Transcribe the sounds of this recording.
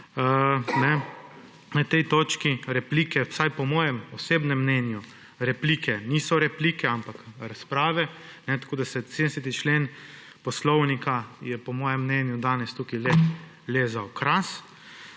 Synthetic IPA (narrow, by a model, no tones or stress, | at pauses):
nɛ | nɐt̪ɛjt̪oːt͡ʃkiɾɛplikɛwsajpɔmɔːjɛmɔseːbnɛmːnɛnju | ɾɛpliːkʰɛniːsɔɾɛpliːkɛampakɾaspɾaːʋɛnɛt̪ḁkoːd̪asɛseːd̪ɛsɛt̪it͡ʃleːn | pɔslɔwnikajɛpɔmɔːjɛmːnɛnjud̪aːnɛst̪ukilɛ | leːzawkɾas